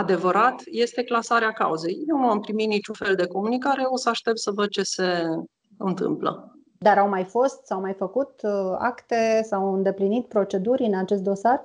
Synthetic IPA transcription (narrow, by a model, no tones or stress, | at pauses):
ad̪e̞vəɾat̪je̞st̪e̞klasaɾeaka̰uze̞jje̞wnuampɾimit̪nit͡ʃunfe̞ld̪e̞ko̞munikaɾeosəaʃt̪ep̚t̪səvəd̪̚t͡ʃe̞se̞ | ɨnt̪ɨ̰mplə̰ | d̪aɾawmajfo̞st̪sawmajfəkut̪a̰kt̪e̞sawɨnd̪e̞plinit̪̚pɾo̞t͡ʃe̞d̪uɾʲɨnat͡ʃe̞st̪̚d̪o̞sar